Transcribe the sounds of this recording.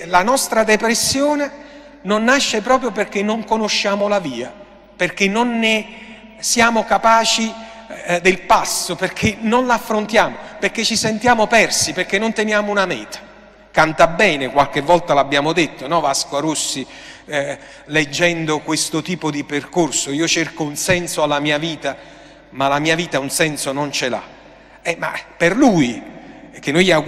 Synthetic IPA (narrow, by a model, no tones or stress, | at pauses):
lanɔst̪ɾad̪ɛpɾesːjɔːne | nonːaʃːepɾɔːpɾjoperk̟enːoŋkonoʃːaːmʊlaviːa | perk̟enːonːɪ | sjaːmʊkapaːt͡ʃi | d̪ɪlpasːʊperkʰenːonlaːfːɾont̪jaːmoperk̟ːet͡ʃːisɛnt̪jaːmʊpɛrsiperkːenːont̪enjaːmounamɛ̰ːt̪ḁ | kant̪abːɛːnekwalkevːɔlt̪alabːjaːmod̪et̪ːonɔvaskoaɾusːi | led͡ʒːɛnd̪okwest̪ʊt̪iːpod̪iperkorsoiːot͡ʃerkounsɛnsoalamiːaviːt̪a | malamiːaviːt̪aunsɛnsonont͡ʃela̰ | ɛma̰pːerluːjk̟enːoja